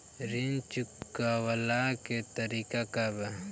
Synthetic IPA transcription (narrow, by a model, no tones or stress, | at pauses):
ɾint͡ʃʊkːawalaket̪ɐɾikakaba